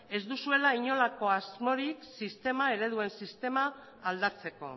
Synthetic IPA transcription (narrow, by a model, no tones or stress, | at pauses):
e̞zd̪usue̞laiɲo̞lako̞azmo̞ɾiksist̪e̞mae̞ɾe̞ðue̞nsist̪e̞maː | ld̪at͡se̞ko̞̰